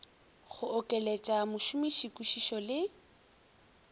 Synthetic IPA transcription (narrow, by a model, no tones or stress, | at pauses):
χʊɔkʼɛlet͡ʃʼamʊʃʊmiʃikʼuʃiʃɔlɪ